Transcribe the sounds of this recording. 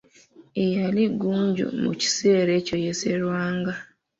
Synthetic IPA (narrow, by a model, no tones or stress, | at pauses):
ejaliɡuːɲɟṵmṵci̥se̞ːɾe̞ːco̞jeseɾwaːŋɡa